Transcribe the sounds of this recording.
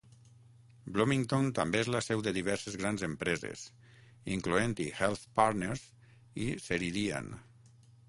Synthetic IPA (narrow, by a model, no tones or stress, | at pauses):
blomiŋt̪ont̪ambeezlasɛwd̪əðiβ̞ɛɾsezɣɾanzempɾezḛs | iŋkluent̪ihɛlˠθpaɾneɾz | iseɾiðia̰n